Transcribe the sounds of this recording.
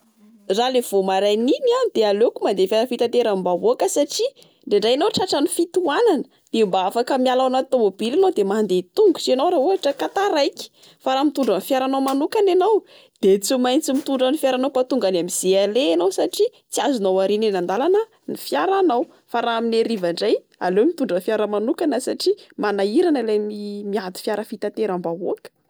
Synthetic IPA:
ralev̥omaɾajniniand̪̥ealewkumand̪efjaɾəfit̪ant̪eɾambavoakəsaʈ͡ʂi | ɖ͡ʐeɳɖ͡ʐajnowʈ͡ʂaʈ͡ʂənifit̪uananə̥ | d̪̥embaafakəmialawnat̪omobilanowd̪emand̪et̪uŋɡut͡ʃenawɾaɦuaʈ͡ʂəkat̪aɾajki̥ | faɾamit̪uɳɖ͡ʐənfjaɾanawmanukananaw | d̪̥et͡simajnt͡simit̪uɳɖ͡ʐənifjaɾanawpat̪uŋɡanamiz̥ealeːnawsaʈ͡ʂi | t͡siazunawaɾinenand̪alanə | nifjaɾanaw | faɾaamineɾivaɳɖ͡ʐaj | a̰lewmit̪uɳɖ͡ʐənfjaɾəmanukanəsaʈ͡ʂimanaiɾanəlamimiad̪i̥fjaɾəfit̪at̪eɾambaoakə̥

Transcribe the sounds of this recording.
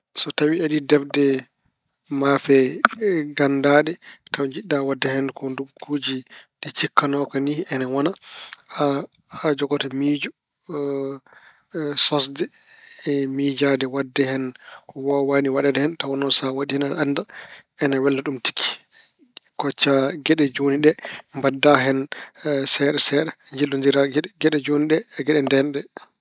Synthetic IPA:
sɔtawiaɗidɛfdɛ | mafɛ | ɡandaɗɛtawd͡ʒiɗːawadːɛhɛnkʰɔnduɡud͡ʒiɗɛt͡ʃikːanɔkɔniɛnawɔnaa | ad͡ʒɔɡɔtamiːd͡ʒɔ | sɔsdɛ | mid͡ʒadɛwadːɛhɛnwɔwaniwaɗɛdɛhɛntawɔnɔnsawaɗihɛnalandaɛnawɛlːaɗumti̥kʰːi̥ | kɔt͡ʃːaɡɛɗɛd͡ʒoniɗɛmbadːaɦɛnsɛɗɛsɛɗɛɲd͡ʒildɔnd͡ʒiɾaɡɛɡɛɗɛd͡ʒoniɗɛɡɛɗɛndɛnɗɛ

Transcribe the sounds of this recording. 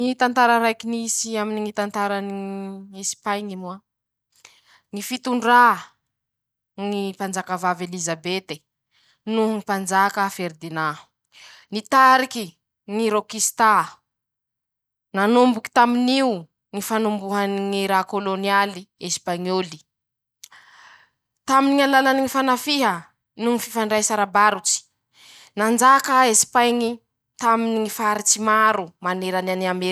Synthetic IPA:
it̪ant̪aɾəɾajkinisiaminiŋit̪ant̪aɾaniespajŋimua | ŋifit̪uɳɖ͡ʐa | ŋipand͡zakəvavelizabet̪e | nuŋipand͡ʒakəfeɾd̪ina | nit̪aɾiki | ŋiɾokist̪a | nanumbuki̥t̪aminiu | ŋifanumbuɦaniŋiɾakolonialiespaŋoli̥ | t̪aminiŋalalaniŋifanafiɦə | nuŋififaɳɖ͡ʐajsaɾabaɾut͡si̥ | nand͡ʒakəesi̥pajŋi | t̪aminiŋifaɾit͡simaɾumaneɾananiame

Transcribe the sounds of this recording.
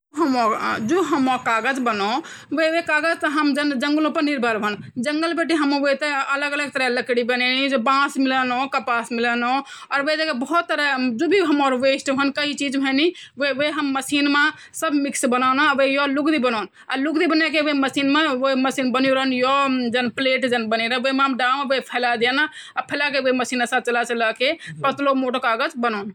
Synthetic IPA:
d͡ʒoɦəmod͡ʒoɦəmɔkaɡəd͡ʒbəno | ʋeʋekaɡəd͡ʒt̪ɔɦəmd͡ʒənd͡ʒəŋɡlõpəɾniɾbʱəɾbʱənd͡ʒəŋɡəlbeʈ̬iɦəmõʋot̪eələɡələɡ̚t̪əɾɛləkɽibənenid͡ʒobãsmilənokəpasmilənoɔːɾʋed͡ʒekebəɦut̪ːəɾɛd͡ʒobʱiɦəmoɾʋesʈbʱənkəɦit͡ʃid͡ʒbʱəniʋeʋeɦəmːəsinmẽ | səbʱmiksbənanaʋejɔlukd̪ibənaːn | a̰lukd̪ibənɛkeʋeməsiːnmẽʋoiməsiːnbənjoɾəɦənjɔd͡ʒənpleːʈd͡ʒənbəniɾə̃ʋəmeɦəmɖamʋepʰɛlad̪ena | apʰelakeʋeiməsiːnasat̪̚t͡ʃəlat͡ʃəlakepət̪lomoʈəkaːɡət͡ʃbənaːn

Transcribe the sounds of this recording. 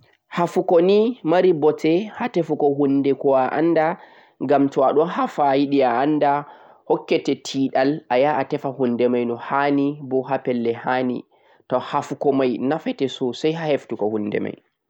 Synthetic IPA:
hafukonimaɾibɔtʰɛhatɛfukɔɦundɛkɔaʔa̰nda | ŋɡamtɔaɗɔnhafajiɗiaːnːda | hɔkːɛtɛtʰiːɗalajaʔatɛfahundɛmajnɔhanibɔɦapɛlːɛhanḭ | tɔhafukɔmajnafɛtɛsusajhaheftukɔhunːdɛ̰ma̰j

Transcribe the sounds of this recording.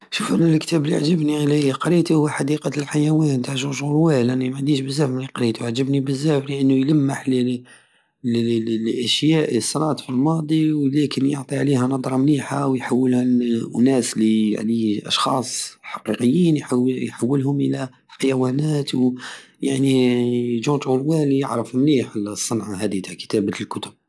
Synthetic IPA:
ʃufʔænælkt̪æbliʕʒəbniliqɾit̪uhʊwħad̪iqɑt̪lħajæwænt̪aʕʒuʒʊɾwælʔænimaʕnd̪iʃbəzːæfmliqɾit̪uʕʒəbnibəzːæfliʔənːujləmːaħl | lʔæʃjæʔsˤːɑɾˤɑt̪ˤfilmɑd̪ˤiwlækənjoʕt̪ˤiʕliænɑd̪ˤɾˤɑmliħawjħawːəlhæʔʊnæslḭʕliʔɑ̰ʃxɑːsˤħɑqiqəjːiːnjħajħawːəlhʊmʔəlæ | ħajæwænæt̪w | jaʕniʒũt̪ulwæljəʕɾəfmliħlsˤːɑnʕaɦæd̪it̪aʕkə̥t̪æblkʊt̪ʊb̚

